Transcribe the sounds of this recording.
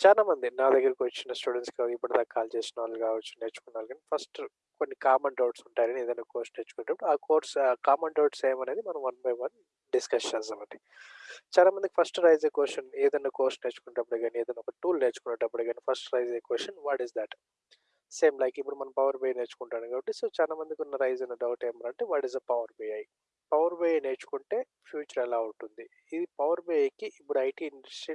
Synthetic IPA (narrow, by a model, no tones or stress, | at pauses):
t͡ʃaːlaːmɐnd̪inaːd̪ɐɡːɐɾɐkʋɐt͡ʃːinɐsʈuːɽeɳʈskaipːuɽɐd̪aːɐkːaːlt͡ʃeːsinaːlukaːʋɐt͡ʃːune̞ːt͡ʃu̥kunːaːlkaːnipʰɐɾsʈ | konːikaːmeɳɖɐwʈsuɳʈaːjɾɐnieːd̪ɐnːaːkoːɾsneːt͡ʃu̥kunɐʈɐpːɐɽaːkoːɾʈskaːmeɳɖɐwʈseːmɐneːd̪imɐnɐ̃mʋɐnbɐjʋɐn | ɖiskɐst͡ʃɛːsaːmɐɳɖi | t͡ʃaːlaːmɐnd̪kipʰɐɾsʈɾɐjzekʋesɐneːd̪ɐnːaːkwesʂɐne̞ːt͡ʃu̥kunːɐʈɐpːɐɽɐɡaːnieːd̪ɐnːaːɔkɐʈuːlneːt͡ʃu̥kunːɐʈːɐpːɐɽɐɡaːnipʰɐɾsʈɾɐjzekʋɛsɐnʋaːʈizd̪ɛːʈ | se̞ːmlɐjkipːuɽumɐnɐmpɐʋɐɾbeːne̞ːt͡ʃu̥kuɳʈaːnukaːbɐʈːisoːt͡ʃaːlaːmɐnd̪ikʲɔnːɐɾɐjzenɐɖɐwʈemɐɾɐɳʈeʋaːʈizɐpɐʋɐɾbejɐji | pɐʋɐɾbeːjneːt͡ʃu̥kuɳʈe̞ː | pʰjuːt͡ʃɐɾɛlaːuɳʈund̪i | id̪ipɐʋɐɾbekiʔipːuɽuɐjʈiːiɳʈɾesʈɾi